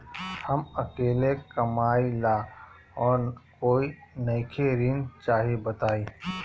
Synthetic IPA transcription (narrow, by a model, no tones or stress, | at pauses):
hɐmɐkeːlekɐmaːilaː | ɔːɾkoːinɐːkʰeɾɪnt͡ʃaːɦebət̪aːiː